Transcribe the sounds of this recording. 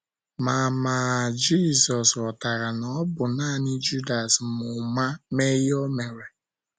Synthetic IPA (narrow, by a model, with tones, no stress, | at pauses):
ma˨maː˨d͡ʒi˦˨sɔ˨sɔ˨ta˨ɾa˨nɔ˨˦bʊ˨naː˦˨nɪ˦d͡ʒu˦da˨smʊ˨ma˦me˦jo˦me˨ɾe˨